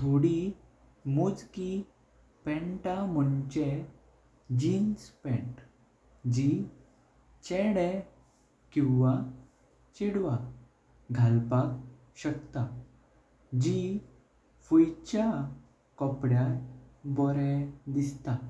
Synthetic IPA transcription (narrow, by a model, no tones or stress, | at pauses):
t̪ʰoɽi | mud͡zki | pɛ̃ɳʈaməɳt͡ɕe | d͡ʑinspɛ̃ɳʈ | d͡ʑi | t͡ɕɛɽɛ | kĩwʋa | t͡ɕiɽʋa | ɡʱalpak̚ | ɕəkt̪a | d͡ʑi | fujt͡ɕa | kɔpɽjaɾbɔɾɛd̪ist̪a